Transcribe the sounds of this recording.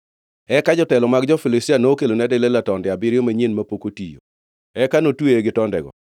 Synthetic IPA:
ɛkad͡ʒɔtɛlɔmaɡd͡ʒɔfɪlɪsianoːkelonɛdɛlelatɔndɪabɪɾjomaɲenmapokotḭjo̰ | ɛkanotweeɡɪtɔndɛ̰ɡɔ̰

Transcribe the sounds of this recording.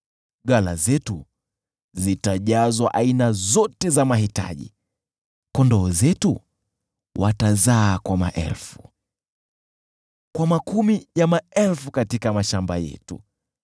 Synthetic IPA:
ɡalazɛtu | zitaʄazwaʔainazɔtɛzamahita̰ʄḭ | kɔndɔːzɛtu | watazaːkwama̰ʔɛ̰lfu̥ | kwamakumijamaɛlfukatikamaʃambajɛ̰tṵ

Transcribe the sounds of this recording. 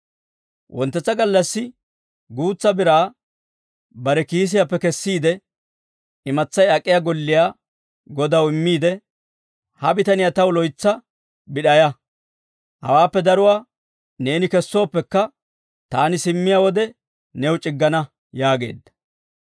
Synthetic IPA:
wʔɔ̰nt̪ːɛt͡sːɐɡɐlːɐsːɪ | ɡuːt͡sːɐbɪɾaː | bɐɾɛkiːs̬ɪjapːɛkɛsːiːd̪ɛ | ɪmɐt͡sːɐjɐkʼːɪjaːɡɔlːɪjaː | ɡɔd̪ɐwɪmːiːd̪ɛ | hɐbɪt̪ɐnɪjat̪ɐwlɔjt͡sːɐ | bɪɗɐjɐ | hɐ̰waːpːɛd̪ɐɾʊwaː | ne̞ːnɪkɛsːoːpːɛkːɐ | t̪aːnɪsɪmːɪjawɔd̪ɛ | nɛwʊt͡ʃʼɪɡːɐnɐ | jaːɡe̞̰ːd̪ːɐ̥

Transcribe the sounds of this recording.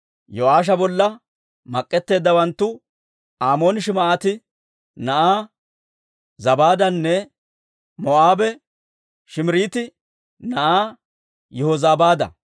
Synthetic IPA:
joaːʃ̬ɐbɔlːɐ | mɐkʼːɛt̪ːe̞ːd̪ːɐwɐnt̪ːʊ | aːmo̞ːnɪʃɪmɐʔaːt̪ɪ | nɐʔaː | zɐbaːd̪ɐnːɛ | mɔʔaːbɛ | ʃɪmɪɾiːt̪ɪ | nɐʔaː | jɛhɔzaːbaːd̪ɐ̰

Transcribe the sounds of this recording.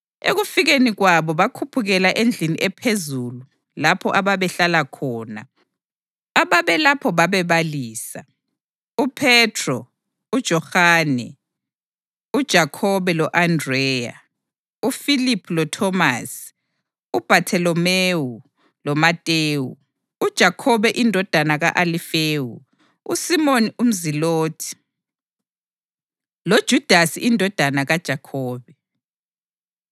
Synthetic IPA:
ḛɣufiɣeniɣwaβɔβakʰupʰuɣɛlaʔend͡ɮʱiniʔɛpʰezulu | lapʰɔʔaβaβɛɬalakʰɔːna̰ | aβaβɛlapʰɔβaβɛβaliːsa̰ | upʰɛtʰrɔ | ud̥ʒ̥ʱɔhaːnɛ | ud̥ʒ̥ʱakʰɔβɛlɔʔandrɛːja̰ | ufilipʰulɔtʰɔmasi̥ | ub̥ʱatʰɛlɔmewu | lɔmatʼeːwu | ud̥ʒ̥ʱakʰɔβɛʔindʱɔd̥ʱanaɣa̰ʔalifeːwṵ | usimonium̩ziloːtʰi̥ | lod̥ʒ̥ʱud̥ʱasiindʱɔd̥ʱanaɣad̥ʒ̥ʱakʰɔːβɛ

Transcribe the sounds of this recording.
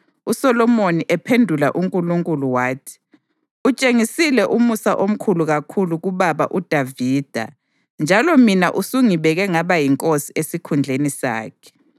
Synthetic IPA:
usɔlɔmoniʔɛpʰendʱula̰ʔuŋkʼuluŋkʼuluwaːtʰi̥ | ut͡ʃʼeŋisilɛʔumusaʔom̩kʰuluɣakʰuluɣuβaβa̰ʔud̥ʱaviːd̥ʱa̰ | nd͡ʒʱalɔminaʔusuŋiβɛɣɛŋaβajiŋkʼosiesikʰund͡ɮʱenisa̰ːkʰɛ̥

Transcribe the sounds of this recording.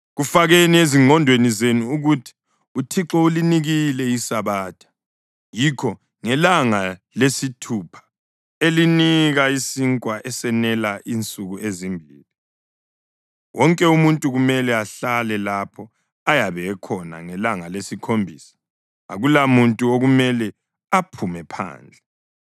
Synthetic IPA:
ɣufaɣenieziŋɔndʱwenizenuːɣutʰi̥ | utʰiǁɔuliniɣilɛisaβaːtʰḁ | jikʰɔ | ŋɛlaŋalesitʰupʰḁ | eliniɣaisiŋkʼwaʔɛsɛnɛlaʔint͡sʼuɣuʔezimbʱiːli | wʔɔŋkʼɛumuntʼuɣumɛlɛaɬalɛlapʰɔ | ajaβɛːkʰɔna̰ŋɛlaŋalesikʰombʱisḁ | a̰ɣulamuntʼuoɣumɛlɛ | apʰumɛpʰa̰ːnd͡ɮʱɛ

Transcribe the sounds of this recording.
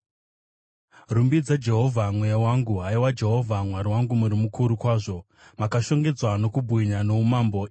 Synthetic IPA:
rumbid͡zad͡ʒe̞ɦo̞vʱamwejawaŋɡuɦaiwad͡ʒe̞ɦo̞vʱamwaɾiwaŋɡumuɾimukuɾukwaːʐo̞ | makaʃo̞ŋɡe̞d͡zwano̞kubʱwiɲano̞umambo̞

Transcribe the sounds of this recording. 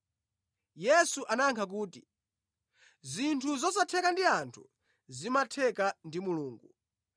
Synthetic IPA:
jɛsuʔanaŋkʰak̬uːti | zintʰuzɔsatʰɛkandiantʰṵ | zimatʰɛkandimuluːŋɡu

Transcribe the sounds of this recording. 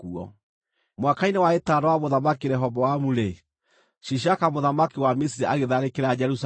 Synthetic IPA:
uɔ̰ | mwakainewaetaɾɔwamoðamakiɾɛɦɔβɔwamuɾe | ʃiʃ̬akamoðamakiwamisiɾiaɣeðaɾekeɾad͡ʒɛɾus

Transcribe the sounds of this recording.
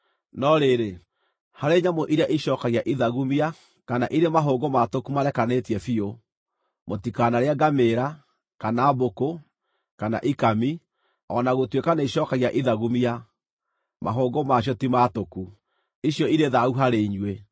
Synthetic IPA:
nɔɾeɾe | haɾeɲamoʔiɾaʔiʃɔːkaɣiaʔiðaɣumia | kana̰ʔiɾemaɦoːɡomatokumaɾɛkanetiɛfio | motikanaɾeaɡameɾa | kanaːboko | kana̰ʔikami | ɔnaɣotwekanaiɕɔkaɣiaʔiðaɣumia | ma̰ɦoːɡomaɕ̬jɔtimatoku | iɕjɔiɾeðauɦaɾeiɲwe

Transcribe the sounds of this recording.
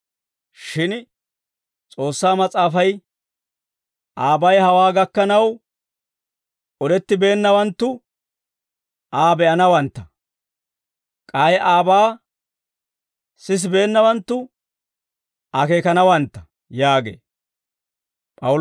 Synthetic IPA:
ʃɪn | t͡sʼo̞ːsːaːmɐt͡sʼaːfɐj | ʔaːbɐjhɐwaːɡɐkːɐnɐw | ʔɔd̪ɛt̪ːɪbe̞ːnːɐwɐnt̪ːʊ | ʔaːbɛʔɐnɐwɐnt̪ːɐ | kʼajʔaːbaː | sɪs̬be̞ːnːɐwɐnt̪ːʊ | ɐke̞ːkɐnɐwɐnt̪ːɐ̥ | jaːɡḛː | pʼɐ

